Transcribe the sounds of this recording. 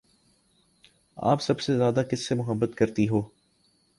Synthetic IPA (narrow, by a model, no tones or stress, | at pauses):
a̰ːpsɐbsezjaːd̪akɪsːemʊɦəbːət̪kɐɾt̪iɦoː